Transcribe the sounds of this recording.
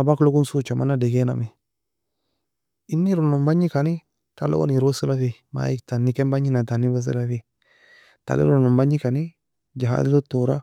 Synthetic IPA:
abakloɡunsut͡ʃama̰nadeɡena̰mi | inːiɾonombaɲikani | talo̰o̰niɾosəlafi | ma̰iktanːikembaɲinatanːibas̬ə̰lafi | ta̰lḭɾonombaɲikani | d͡ʒaɦa̰dilotoɾa

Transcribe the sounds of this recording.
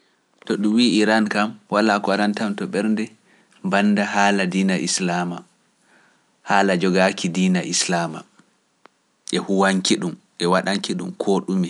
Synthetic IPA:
tɔɗumwiːʔiɾankamwalaːkɔaɾantamtɔɓɛɾndɛ | banːdaɦaːladiːnaʔislama | haːlad͡ʒɔɡakidiːnaʔislaːma̰ | ʔɛhuwaŋkiɗum | ʔɛwaɗaŋkiɗṵmkʰoɗumi

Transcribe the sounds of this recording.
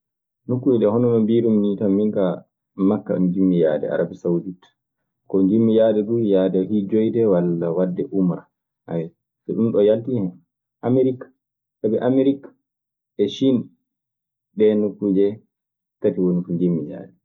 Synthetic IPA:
nukːud͡ʒɛɗɛhɔnɔmambiɾumnitamːiŋka | makːa̰ɗṵmd͡ʒimːija̰ːdɛ̰a̰ɾabisaudit | kɔɲd͡ʒimːijaːdɛɗujaːdɛhid͡ʒɔjdɛwalːawadːɛʔumɾa | ha̰wɛ | sɛɗumɗɔjaltihɛn | ʔamiɾikḁ | sabiʔamiɾik | ɛʃin | ɗɛnukːud͡ʒɛ | tatiwonifuɲd͡ʒimːija̰ːdɛ

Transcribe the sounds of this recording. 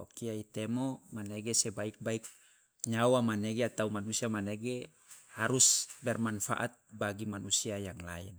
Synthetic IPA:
o̰kiait̪ɛmomaneɡesɛbaik̚baik̚ | ɲawamaneɡeat̪aumanusiamaneɡe | haɾusbɛrmanfa̰ʔat̪̚baɡimanusiajaŋla̰ḭn

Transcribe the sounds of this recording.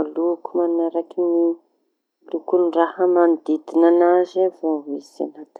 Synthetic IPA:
lukumannaɾakini | lukunirahəmand̪id̪inanazavaɦiza̰nat̪

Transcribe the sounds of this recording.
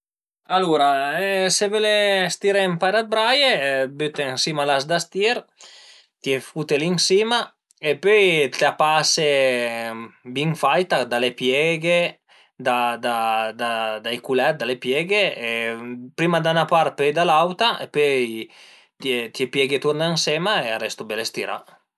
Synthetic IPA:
aluɾaɛsevelest̪iɾempaɾat̪̚bɾajebyt̪eŋsimalasd̪ast̪iɾ | t̪jefut̪eliŋsima | epøjt̪eapase | biŋfajt̪ad̪alepjɛɡe | d̪ad̪ad̪ad̪ajkulɛt̪̚d̪alepjɛɡeepɾimad̪anapaɾ̚pøjd̪alawt̪aḛpøj | t̪et̪jepjɛɡet̪urnaensemaearɛst̪obelest̪iɾa̰

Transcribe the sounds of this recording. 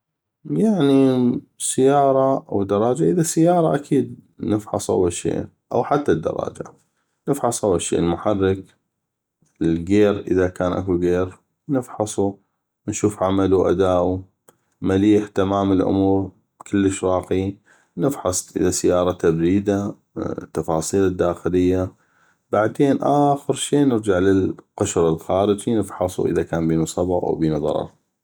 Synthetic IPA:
jaʕni | sɪjːɑːɾˤɑawd̪ɑɾˤɑːd͡ʒaʔəðasajːɑːɾˤɑʔakʰiːd̪̚ | nəfħɑ̰sˤʔa̰wːalʃḛː | ʔa̰wħat̪ːad̪ːɑ̰ɾˤɑ̰ːd͡ʒa̰ | nɪfħɑsˤʔawːalʃːḛːʔlmʊħarːɪk | əlɡeːɾʔəðakaːnʔakuɡeːɾ | nɪfħɑsˤu | nʃuːfʕamaluʔa̰d̪aːʔu | maliːħt̪amaːmɪlʔʊ̰muːɾ | kɪlːəʃɾˤɑːqi | nɪfħɑsˤʔɪ̰ðasɪjɑːɾˤɑt̪abɾiːd̪a | t̪ːɑfɑːsˤiːlɪd̪ːaːxɪlɪjːa | baʕd̪eːnʔaːxəɾʃiːnɪɾd͡ʒaʕlɪlqʊʃɾɪlxaːɾɪd͡ʒinəfħɑsˤṵʔə̰ðakaːnbiːnusˤɑbɑɣʔa̰wbiːnuðˤɑ̰ɾˤɑ̰ɾˤ

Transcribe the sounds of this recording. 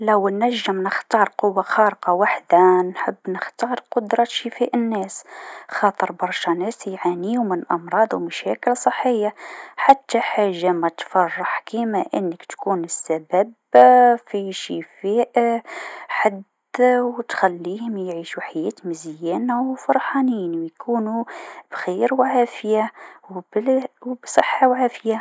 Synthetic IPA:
læwːnæʒːəmnəxt̪ɑːɾˤqʊwːaxɑɾəqɑwaħd̪anħəbːnəxt̪ɑːɾˤqʊd̪ɾˤɑʃəfæʔənːæːsxɑt̪ˤəɾbɑɾˤʃɑnɛːsjʕaniumənʔɑmɾˤɑːd̪ˤwmæʃækəlsˤəħːəjːaħat̪ːaħaʒːamæt̪fɑrˤːɑħkimaʔənːəkt̪kuːnəsːæbæb | fiʃifæʔ | ħad̪ | wt̪xælːiːhʊmjʕiːʃuħajæːt̪mɪzjæːnawfʊɾˤħɑːniːnwjkʰuːnub̥xiɾwʕaːfjawbwbsˤəħːawʕaːfja

